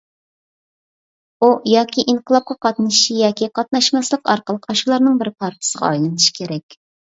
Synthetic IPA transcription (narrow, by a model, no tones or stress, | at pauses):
ujɑːkʲʰiʔiɴqəlˠɑp̚qʰɑqɑt̪nɨʃijɑːkʲiqɑt̪̚nɑʃmɑslˠəqɑɾqəlˠəqɑʃulˠɑɾnɨŋbɪɾpʰɑɾt̪ʰɨ̥səʁɑ̰ɑjlˠɨnʰɨʃi̥kʲʰeɾɛkʲ